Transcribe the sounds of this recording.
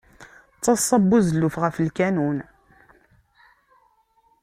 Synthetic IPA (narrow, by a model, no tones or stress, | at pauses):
t͡sːɑsˤːɑbːuzəlːufʁəflkænun